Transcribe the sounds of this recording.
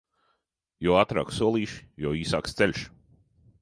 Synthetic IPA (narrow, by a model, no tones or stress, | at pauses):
jɔat̪ɾa̰ːksuɔlˠiːʃi̥jɔiːsaːkst̪sɛlʲʃ